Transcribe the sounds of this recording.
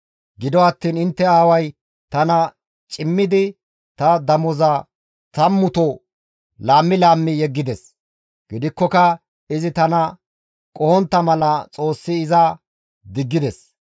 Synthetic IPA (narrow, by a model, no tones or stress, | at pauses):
ɡɪd̪ɔɐt̪ːiːnɪnt̪ːɛaːwɐj | t̪ɐnɐ | t͡ʃʼɪmːɪd̪ɪ | t̪ɐd̪ɐmɔzɐ | t̪ɐmːʊt̪ɔ | laːmːɪlaːmːɪjɛɡːɪd̪ɛs | ɡ̥ɪd̪ɪkːɔkɐ | ɪzɪt̪ɐnɐ | kʼɔhɔnt̪ːɐmɐlɐt͡sʼo̞ːsːɪːzɐ | d̪ɪɡːɪd̪ɛs